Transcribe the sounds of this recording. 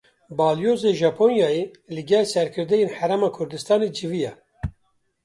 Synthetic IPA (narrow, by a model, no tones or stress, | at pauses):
bɑːljoːzeʒɑpʰonjɑːje | lɨɡɛlsɛɾkʰɨɾd̪ɛjeːnħæɾɛmɑːkʰʊɾd̪ɨst̪ɑːned͡ʒivijɛ